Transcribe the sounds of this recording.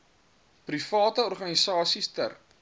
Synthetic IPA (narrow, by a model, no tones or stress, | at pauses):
prifɑːtəɔrχɐnisɑːsistə̰r